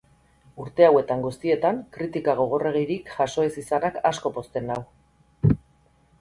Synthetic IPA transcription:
uɾt̪e̞awe̞t̪aŋɡust̪ie̞t̪aŋkɾit̪ikaɣ̞o̞ɣ̞o̞re̞ɣ̞eɾikʝaso̞e̞sisanakasko̞po̞st̪e̞naw

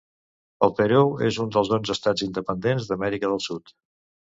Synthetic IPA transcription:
əlˠp̪əɾuezund̪əlˠzðonzəst̪ad͡zind̪əpənd̪enzðəmɛɾikəðəlˠsut̪

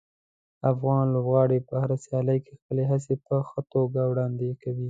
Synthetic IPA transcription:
afɣɑnlobɣɑɽepəhaɾasjɑləjkexpəleɦas̬epəxət̪oɡawɽɑnd̪ekawi

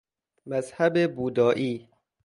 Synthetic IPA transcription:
mæzhæbebuːd̪ɒːʔiː

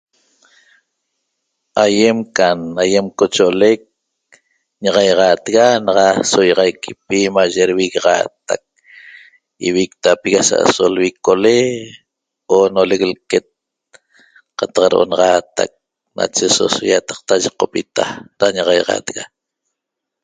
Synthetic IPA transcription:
ʔajemkanajemkot͡ʃoʔolek̚ | ɲaʁɑjʁɑːt̪ɣanɑʁɑsojɑʁɑjkʰi̥pimaʒeɾwiɣʁɑ̰t̪a̰k̚ | iwik̚t̪apiɣasa̰ʔsolwikole | oːnoleklket̪̚ | qɑt̪ɑqɾʔo̰nɑʁɑt̪a̰k̚ | na̰t͡ʃeso̰sojat̪ɑ̥q̚t̪aʒiqːopit̪aɾaɲaʁɑjʁɑ̰t̪ɣa

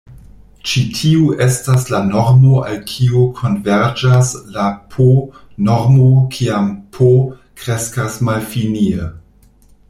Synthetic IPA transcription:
t͡ʃitʰiuʔestaslanoɾmoʔalkʰiokʰo̞nveɾd͡ʒaslapʰonoɾmokʰiampʰo | kɾeskasmalfiniə

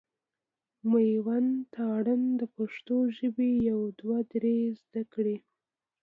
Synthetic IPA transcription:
majwant̪ɑɽənd̪əpaʂt̪oʒəbejawd̪wad̪ɾezd̪akɽe

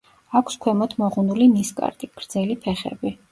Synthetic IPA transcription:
akʷʰskʰwɛmɔt̪ʰmɔʁunuliniskʼa̰ɾt̪ʼiɡ̥ɾd̪zɛlipʰɛχɛ̰bi

